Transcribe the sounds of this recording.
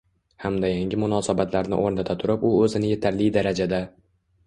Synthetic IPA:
hamd̪ajaŋɡʲɪmʊnɒːsabat̪ʰlaɾnɪ̰ʔoɾnat̪ʰat̪ʰʊɾɪpʊɵzɪnɪje̞t̪ʰaɾlɪjd̪aɾad͡ʒad̪a

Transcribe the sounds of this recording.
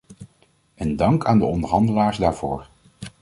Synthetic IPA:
ʔɛndɑŋkaːndəɔndəɹɦɑndəlaːɹzdaːɹv̥o̰ːɹ

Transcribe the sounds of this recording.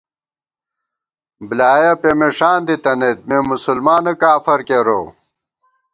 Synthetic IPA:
blaːjɐpemeʂaːnd̪it̪ɐnet̪̚meːmusulmaːnɐkaːfɐɾkeɾo̰

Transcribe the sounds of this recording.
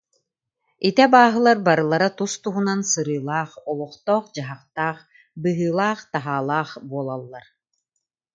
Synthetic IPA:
it̪ɛbaːɦɯlˠaɾbaɾɯlˠaɾat̪ust̪uɦunansɯɾɯːlˠaːχɔlˠɔχt̪ɔːχd͡ʑaɦaχt̪aːχ | bɯɦɯːlˠaːχt̪aɦaːlˠaːχbuɔlˠalˠːaɾ

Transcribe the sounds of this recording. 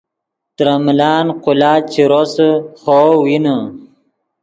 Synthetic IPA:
t̪ɾamlɑːnqulɑːt͡ʃiɾosəxowinə

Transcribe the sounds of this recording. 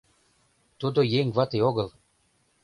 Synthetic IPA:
t̪od̪ojeŋvat̪eoɡə̆lˠ

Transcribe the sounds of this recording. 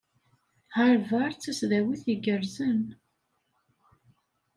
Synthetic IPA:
haɾvaɾˤt͡sːæsðæwiθjəɡəɾzən

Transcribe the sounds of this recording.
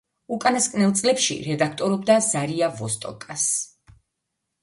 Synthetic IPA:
ukʼanaskʼnɛlˠt̪sʼlɛpʃḭɾɛd̪ak̚ʰt̪ʼɔɾɔb̚d̪az̥aɾiavɔst̪ʼɔ̰kʼas

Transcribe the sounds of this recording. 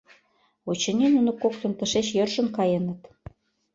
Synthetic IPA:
ot͡ɕə̆ninunŏkokt̪ə̆nt̪ə̆ʃeɕjɤrʃə̆nkɑjənə̆t̪

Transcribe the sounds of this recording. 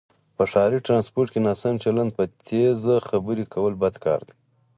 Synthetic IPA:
pəʂɑːɾiʈɾɑnspoɾʈkenasamt͡ʃaland̪̚pət̪ʰezaxabəɾikʰawəlbad̪kɑ̰ːɾd̪i̥

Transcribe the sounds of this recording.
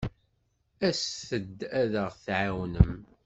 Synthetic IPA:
æsθəd̪ːæðəʁθʕawnəm

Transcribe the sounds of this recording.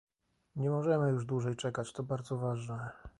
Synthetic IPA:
ɲɛmɔʐɛmɘjuʐd̪wuʐɛjt͡ʂɛkat͡ɕt̪ɔbaɾd̪zɔvaʐnɛ

